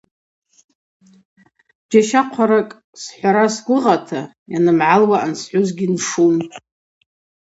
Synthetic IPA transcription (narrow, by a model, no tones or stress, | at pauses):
d͡ʒaʃaqʷʰaɾakʼ | sħʷaɾasɡʷʊʁatʰa | janɨmʕalwaʔansħʷuzɡʲinʂun